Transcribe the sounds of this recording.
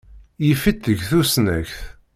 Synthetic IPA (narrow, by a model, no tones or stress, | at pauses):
jifit̪ːəʝθusnæçθ